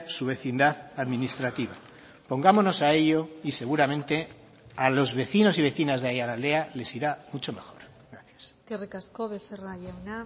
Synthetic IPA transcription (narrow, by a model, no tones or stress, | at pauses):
suβ̞e̞θind̪aðaðmĩnist̪ɾat̪iβa | po̞ŋɡamono̞sae̞ʎo̞ise̞ɣ̞uɾamẽ̞nt̪e̞ | alo̞zβe̞θino̞siβ̞e̞θinazðeajalale̞ale̞siɾamut͡ʃo̞me̞xo̞̰ɾ | ɣɾaθjaskerekaskoβeθeraʎawna